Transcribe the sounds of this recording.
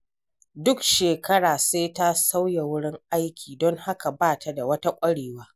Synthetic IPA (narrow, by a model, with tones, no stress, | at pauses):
dʊ˦kʃeː˨kɐ˦ɽaː˨seː˦ta˦sa˦wja˨wʊ˦ɽɪ˦ŋʔa˦jkʲʰiː˨dɔ˦ŋha˦ka˨baː˦˨tʰa˦da˨wɐ˦ta˦kʷʼɐ˦ɽeː˨waː˦